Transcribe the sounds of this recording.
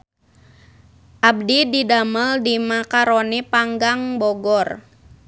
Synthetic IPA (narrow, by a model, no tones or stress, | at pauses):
ʔab̚dididaməldimakaɾonipaŋɡaŋbɔɡɔr